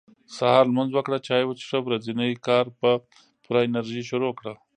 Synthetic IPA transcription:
sahɑɾlmanzwəkɽat͡ʃɑjwat͡ʃʂəwɾazinəkɑɾpə | puɾaɪnaɾʒiʃuɾokɽa

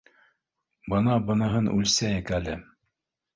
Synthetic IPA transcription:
bɤnɑbɤ̆nɤ̆ɦɤnʉ̰lsæjɘkælɘ

